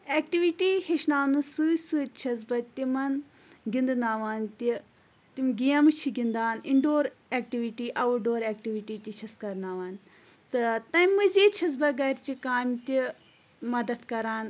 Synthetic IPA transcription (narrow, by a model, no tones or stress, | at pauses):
eːk̚ʈiʋiʈiheʃnaːnɨsɨːsɨt͡ʃʰɐzbɐt̪imɐn | ɡind̪naːʋaːnt̪i | t̪imɡijɐmɨt͡ʃʰiɡʲind̪aːniɳɖoːɾeːk̚ʈiʋiʈiʔɐʋuɖoːɾeːk̚ʈiʋiʈiːt̪ʲit͡ʃʰɐskɐɾnaːʋaːn | t̪ɨt̪ɐmɨziːt͡ʃʰɐzbɐɡɐɾʲt͡ʃikaːmʲt̪ʲi | mɐd̪ɐt̪kɐɾaːn